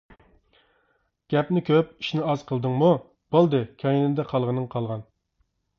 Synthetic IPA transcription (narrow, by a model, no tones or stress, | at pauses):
ɡ̥ʲɛpnɪkʲʰøpi̥ʃnɪɑz̥qʰəlˠd̪ɨŋmu | b̥olˠd̪ɨkʲʰɛjinɪd̪ɛqʰɑlˠʁənɨŋqʰɑlˠʁɑn